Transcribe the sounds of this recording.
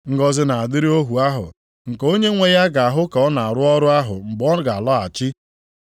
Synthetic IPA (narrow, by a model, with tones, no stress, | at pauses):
ŋ̩˦ɡɔ˦zɪ˦na˨a˨dɪ˦ɾi˦o˦ɦu˨a˦ɦʊ̰˨ | ŋ̩˨ko˦ɲe˦ŋʷe˦ja˦ɡa˨a˨ɦʊ˦kɔ˦na˨a˨ɾʊ˦ɔ˦ɾʊ˦a˦ɦʊ˨m̩˨bɔ˦ɡa˨lɔ˦a˨t͡ʃɪ˦